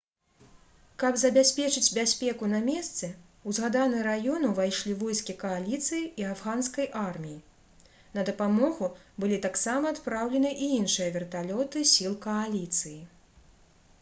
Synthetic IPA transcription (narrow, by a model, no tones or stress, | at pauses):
kɐbzɐbʲasʲpʲɛt͡ʂɨd͡zʲbʲasʲpʲɛkunɐmʲɛst̪sɛ | uzɣad̪anɨɾajɔnuvajʂlʲivɔjskʲikɐalʲit̪sɨjiiavɣanskɐjʔarmʲiji | nɐd̪ɐpamɔɣubɨlʲit̪aksamɐːt̪pɾawlʲɛnɨʔiinʂɨjɐvʲɛrt̪alʲɔt̪ɨsʲilˠkɐalʲit̪sɨji